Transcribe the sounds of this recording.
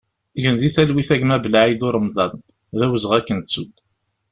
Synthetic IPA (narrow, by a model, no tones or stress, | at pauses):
ʝənðiθælwiθæʝmæbəlaʕid̪ʊɾˤəmðˤɑn | ðæwəzəʁækːənt͡sːud̪